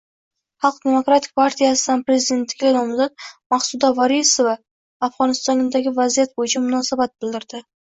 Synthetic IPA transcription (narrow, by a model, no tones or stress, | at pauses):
χɑlˠq̚d̪e̞mo̞kɾat̪ʰɪ̥k̚ʲpʰaɾt̪ʰijasɪd̪anpɾe̞zɪd̪e̞nt̪ːɪ̥ɡʲanɒmzat̪̚maχsʊd̪ɒvaɾisovaː | fʁɒnɪst̪ɒnd̪aɡʲɪvazijat̪̚bojɪt͡ʃʰamʊnɒsabat̪̚bɪld̪ɪɾd̪̥ɪ